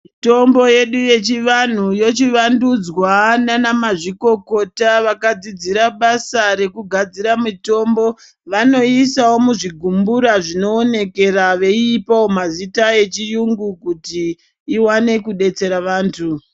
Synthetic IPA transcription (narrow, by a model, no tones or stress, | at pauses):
to̞mbo̞je̞ɗuje̞t͡ʃiʋan̤ujo̞t͡ʃiʋandud͡zwananamaʐiko̞ko̞taʋakad͡zid͡ziɾaɓasaɾe̞kuɡʱad͡ziɾamuto̞mbo̞ | ʋano̞isawo̞muʐiɡʱumbuɾaʐino̞ːne̞ke̞ɾaʋe̞iːpawomazitae̞t͡ʃijuŋɡukutiː | wane̞kuɗe̞t͡se̞ɾaʋaːntʰu